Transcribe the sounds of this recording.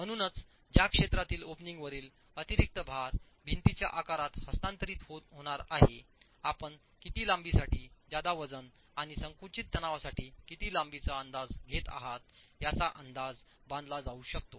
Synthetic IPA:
m̤əɽ̃uːnət͡s | d͡ʑjakʂet̪ɾat̪iːlopniŋɡʋəɾiːl | ət̪iɾik̚t̪əbʱaɾ | bʱint̪it͡ɕja̰ʔakaɾat̪həst̪ãnt̪əɾiːt̪ɦoɦoɽ̃aɾaɦe | apəɳ | kit̪iːlambisaʈiːd͡ʑad̪aʋəd͡zən | aɽ̃isəŋkut͡ɕit̪ːənaʋasaʈiːkit̪iːlambit͡saənd̪ad͡zɡʱet̪a̰ɦat̪̚jat͡saʔənd̪ad͡z | bãnd̪lad͡zauɕəkt̪o

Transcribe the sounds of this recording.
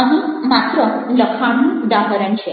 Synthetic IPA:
əʋĩmat̪ɾələkʰaɽ̃ũud̪aɦəɾəɳt͡ʃʰe

